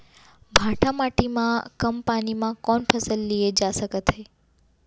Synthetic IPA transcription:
bʱãʈʰamaʈimãkəmpanimãkɔnpʰəsəlːied͡ʒasəkət̪ʰɦe

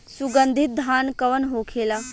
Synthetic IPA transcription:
suɡənd̪ʱit̪̚d̪ʱaːnkəʋənɦoːkʰeːlaː

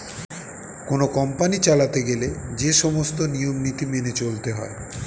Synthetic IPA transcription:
konokɔmpanit͡ɕalat̪eɡeled͡ʑeʃɔmost̪onijomnit̪imenet͡ɕolt̪eɦɔ̰e

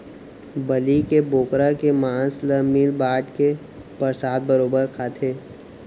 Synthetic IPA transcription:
bɐlikeboːkɾakemãːsləmiːlbaːʈke | pəɾsaːd̪̚bəɾoːbəɾkʰaːt̪ʰeː

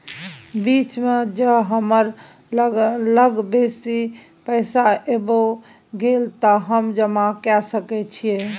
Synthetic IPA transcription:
bit͡ʃmed͡ʒəɦəməɾ | ləɡbesi | pəɪsaʔebo | ɡelt̪əɦəmd͡ʒəmakɛsəkɛt͡ʃʰije

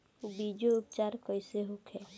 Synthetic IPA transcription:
ubid͡ʒoupt͡ʃaɾkɔjseɦokʰɛ

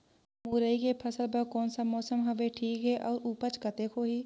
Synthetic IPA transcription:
muːɾəiːkeːpʰəsəlbaːkɔːnsaːmɔːsəmɦəʋeːʈʰiːkɦɛːʔɔːɾuːpət͡ʃkət̪eːkʰoːɦiː

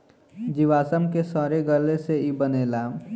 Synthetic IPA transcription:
d͡ʒiʋaːsəmkesaːɾeɡəleseibəneːlaː

